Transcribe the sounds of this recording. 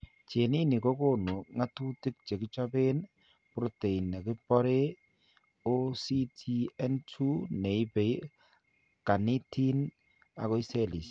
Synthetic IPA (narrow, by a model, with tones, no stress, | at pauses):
t͡ʃe˨ni˦ni˨ko˦ko˦nu˨ŋa˦tu˦ti˦k̚t͡ʃe˨kɪ˦t͡ʃɔ˦be˦n | pɾo˦te˨i˨na˨kɪ˦pɔ˦ɾe˦ | o˦si˦tʰi˦ɛ˦ntʰu˦ne˨ɪ˦pe˨˦ | ka˨ni˦ti˦n | a̰˨kɔ˦i˦se˦˨li˨s